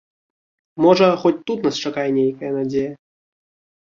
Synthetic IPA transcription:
mɔʐɐxɔt͡sʲt̪ut̪nast͡ʂakajɛnʲejkɐjɐnad͡zʲejɐ

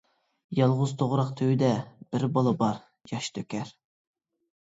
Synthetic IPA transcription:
jɑlˠʁʊzt̪ʰoʁɾɑqt̪ʰøwyd̪ɛb̥ɪɾbɑlˠəbɑɾ | jɑʃt̪ʰøkʲɛɾ

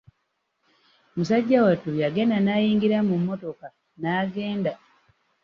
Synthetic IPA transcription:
musaɟːawatujaɡe̞nanajiːŋɡiɾamumːo̞to̞ka | naːɡe̞ːnda

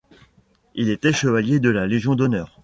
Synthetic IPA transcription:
ilet̪ɛʃəvaljed̪əlaleʒjɔ̃d̪ɔnœːʁ

